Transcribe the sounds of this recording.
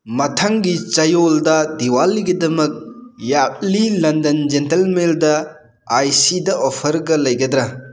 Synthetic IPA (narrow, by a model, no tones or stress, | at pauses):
mɐtʰaŋɡit͡ʃɐjoldɐdiwalːiɡɐdɐmɐk̚jap̚lilɐndɐnd͡ʒentelmeldɐ | ajsidɐʔɔpʰɐɾɡɐlɐjɡɐdɾɐ